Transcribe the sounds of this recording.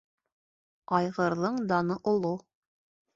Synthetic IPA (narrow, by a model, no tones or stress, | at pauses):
ɑjʁɤ̆ɾðɤɴd̪ɑnɤʔŏlˠo